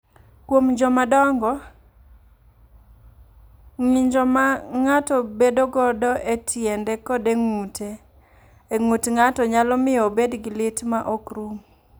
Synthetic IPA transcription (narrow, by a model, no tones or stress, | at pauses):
kwomd͡ʒɔmadɔŋɡɔ | ŋɪɲd͡ʒɔmaŋatɔbedoɡɔdɔʔetʰjɛndɛkɔdeŋuteː | ŋotŋatɔɲalɔmɪɔbedɡɪlɪtmaʔɔkɾum